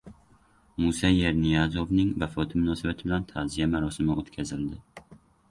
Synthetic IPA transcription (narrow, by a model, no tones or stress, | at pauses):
musajeɾnijazovnɪŋvafɒt̪ʰɪmʊnɒsabat̪ʰɪbɪlant̪ʰazijamaɾɒsɪmɪot̪kʲʰazɪld̪ɪ